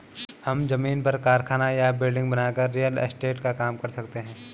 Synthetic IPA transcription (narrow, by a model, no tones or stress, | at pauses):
hɐmd͡ʒɐmiːnpɐɾkaːɾkʰaːnajabɪlɖɪ̃ŋɡbɐnaːkəɾːijəl̰sʈeːʈkakaːmkɐɾsɐkt̪eɦɛ̃ː